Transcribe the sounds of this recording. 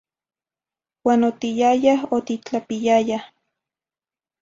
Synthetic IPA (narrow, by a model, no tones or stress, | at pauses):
waːnot̪ijajahot̪it͡ɬapijaja